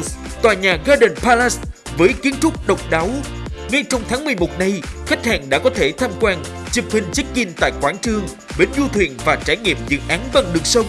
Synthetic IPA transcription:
t̪waː˨˩ɲaː˨˩ɣaː˧ɗe˨˩ŋpaː˧la˦˥s | vəː˨˦jki˨˦ənt̪ʰʊ˦˥k͡p̚ɗə˨˩wk͡p̚ɗaː˨˦wŋa˧jt͡ɕɔ˧wŋ͡mt̪ʰaː˨˦ŋmɨ˨˩əjmo˨˩t̚na˧jxa˦˥k̟̚ha̰ː˨˩ŋɗa̰ː˧˥kɔ˨˦t̪ʰe˧˩t̪ʰaː˧mkwaː˧nt͡ɕi˨˩p̚hï˨˩ŋ̟t͡ɕɨ˦˥k̚ki˧nt̪a̰ː˧˨jkwaː˧˩nt͡ɕɨ˧əŋ | ɓe˨˩nzu˧t̪ʰwḭ˨˩ənvaː˨˩t͡ɕaː˧˩jŋḭ˧˨əmzɨ̰˧˨ʔaː˨˦nɓa˨˩ŋɗɨ˨˩ək̚sə˧wŋ͡m

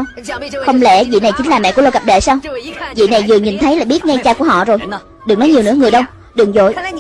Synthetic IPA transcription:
w | xə˧wŋ͡mlɛ̰˧˩vḭ˧˨na˨˩jt͡ɕï˨˦ŋ̟laː˨˩mɛ̰˧˨ku˧˩˦o˧wka˨˩p̚ɗḛ˧˨saː˧wvḭ˧˨na˨˩jzɨ˨˩əɲi˨˩nt̪ʰə˨˦jlaː˨˩ɓi˦˥t̚ŋa˧jt͡ɕaː˧ku˧˩əhɔ̰˧˨zo˨˩j | ɗɨ˨˩knɔ˨˦jɲi˨˩ənɨ̰˧˥əŋɨ˨˩əjɗə˧w | ɗɨ˨˩ŋzo̰˧˨j

